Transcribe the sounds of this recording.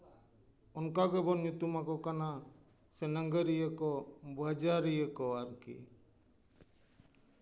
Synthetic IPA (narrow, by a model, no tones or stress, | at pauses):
ɔnkaɡɛbɔnjut̪umakɔkana | sɛnəŋɡəɾijəkɔbad͡ʒaɾijəkɔaɾkḭ